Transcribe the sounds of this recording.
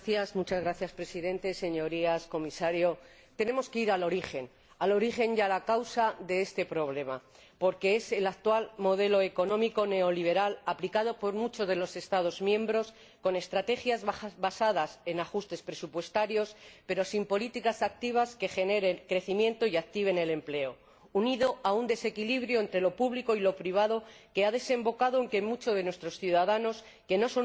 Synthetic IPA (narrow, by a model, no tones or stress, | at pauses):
θjazmut͡ʃazɣɾaθjaspɾe̞siðẽ̞nt̪e̞se̞ɲo̞ɾiasko̞misaɾjo̞ | t̪e̞nẽ̞mo̞skeiɾalo̞ɾiχe̞n | alo̞ɾiχe̞njalakawsaðe̞est̪e̞pɾo̞β̞le̞ma̰ | po̞ɾke̞e̞se̞lak̚t̪walmo̞ð̞e̞lo̞eko̞nõ̞miko̞ne̞o̞liβ̞e̞ɾalaplikað̞o̞po̞ɾmut͡ʃo̞zðe̞lo̞se̞st̪að̞o̞zmjẽ̞mbɾo̞s | ko̞ne̞st̪ɾat̪e̞xjazβasaðase̞naxust̪e̞spɾe̞supwe̞st̪aɾjo̞spe̞ɾo̞simpo̞lit̪ikasak̚t̪iβ̞aske̞xe̞ne̞ɾe̞ŋkɾe̞θimjẽ̞nt̪o̞iak̚t̪iβ̞e̞ne̞le̞mple̞o̞ | uniðo̞aund̪e̞se̞kiliβɾjoent̪ɾe̞lopuβliko̞ilo̞pɾiβ̞aðo̞ke̞aðe̞se̞mbo̞kaðoeŋke̞mut͡ʃo̞ð̞e̞nwest̪ɾo̞sθjuðaðano̞s | ke̞no̞so̞